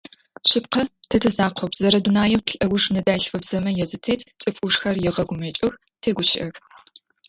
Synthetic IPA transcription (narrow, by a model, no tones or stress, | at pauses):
ɕɪp̚qɐtʰɐtʰɨzaːqʷʰɔpz̥ɐɾɐdunaːjɛwtʰɬʼʔɐwʷʊʂnɨdaːɬfɐbz̥ɐmɐjɛzɨtʰeːtʰt͡sʼɨfʼuʂxɐrjɛʁɐɡʷʊmɐt͡ʃʼɐx | tʰeːɡʷʊʃɪ̰ʔɐx